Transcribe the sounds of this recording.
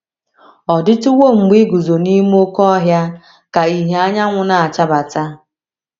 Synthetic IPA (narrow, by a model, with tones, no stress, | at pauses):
ɔ˨dɪ˦tʊ˦wo˦˨ŋ͡m̩˨ɡ͡bi˦ɡu˨zo˨ni˦m˦o˦kɔ˦ɦja˦ | ka˨i˦ɦe˨a˦ɲa˦ŋʷʊ˨na˨a˨t͡ʃa˦ba˨ta˦